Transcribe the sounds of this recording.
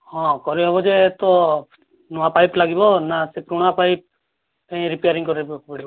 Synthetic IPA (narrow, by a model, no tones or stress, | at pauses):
hɔ̃kɔɾiɦɔbɔd͡ʒeːt̪ɔ | nɔwapajplaɡibɔnasepɾuɽ̃apajp̚ | eĩɾipejaɾiŋkɔɾibkbɔɽi